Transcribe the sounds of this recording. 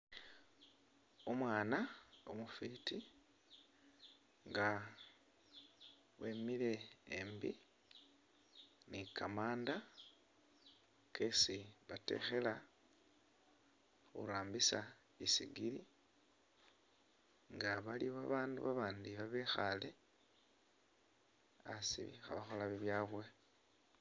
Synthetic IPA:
omwaːnao̰mufiti | ŋɡa | we̞ːmile̞ːmbi | nikamaːnda | kʰesiβate̞̰xe̞la | xṵɾaːmbisa | isḭɡili | ŋɡaβaliβaβaːnduβaβaːndiβaβexale̞ | a̰sḭixa̰βaxo̞laβiβjaːβwe̞

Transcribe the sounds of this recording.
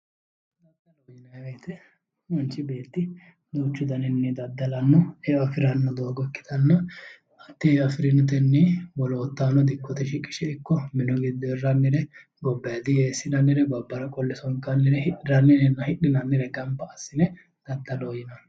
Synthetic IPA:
d̪ɐd̪ɐlojɪnɐweːt̪ɛ | mɐnt͡ʃːɪbe̞ːt̪ːɪ | d̪uːt͡ʃːʊd̪ɐnɪnːɛd̪ɐd̪ːɐlɐnːɔɛɐfɪɾɐnːɔd̪o̞ːɡɔkːɪ̥t̪ɐnːɐ | ɐt̪ːɪɐfɪɾɪnɔt̪ɛnːibɔloːt̪ːaːnɔd̪ɪkːɔt̪ɛʃɪkʼːɪʃɛɪkːɔmɪnɔɡɪd̪ːɔɛrːɐnːɪɾɛ | ɡɔbːɐjɐd̪ɪjeːsːɪnɐnːɪɾɛbɐbːɐɾɐkʼɔlːɛsɔŋkɐnːɪɾɛhɪʔɪɾɐnːɪnɛnɐhɪɗɪnɐnːɪɾɛɡɐmbɐɐsːɪnɛ | d̪̥ɐd̪ːɐloːjɪnɐ

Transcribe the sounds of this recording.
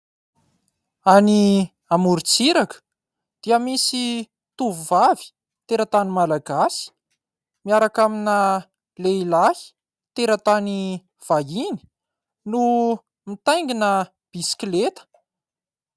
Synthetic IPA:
ani | amuɾit͡siɾakə̥ | d̪̥iəmisi | t̪uvuvavi̥ | t̪eɾat̪animalaɡasi̥ | miaɾakaminə | leilahi̥ | t̪eɾət̪ani | v̥aɦini̥ | nu | mit̪ajŋɡinə | b̥isklet̪ə̥

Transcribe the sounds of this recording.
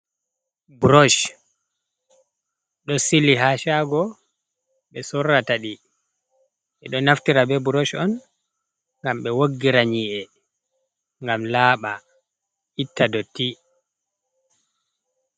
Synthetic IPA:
buɾɔʃ | ɗɔsilːiɦaʃaɡɔ | ɓɛsɔrːataɗi | ɓɛɗɔnaftiɾabɛbuɾoʃɔn | ŋɡamɓɛwoɡːiɾaɲiːʔɛ | ŋɡamlaːɓa | ʔitːadɔti

